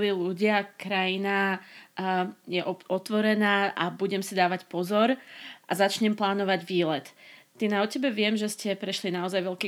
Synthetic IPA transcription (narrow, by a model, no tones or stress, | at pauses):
liluɟɪakɾajinaː | jɛʔɔɔt̪ʋɔɾɛnaːabuɟɛmsid̪aːʋacpɔzɔɾʔazat͡ʃɲɛmplaːnɔʋaɟʋiːlɛt̪t̪inaɔcɛbɛʋɪɛmʒɛscɛpɾɛʃlinaɔzajʋɛʎkiː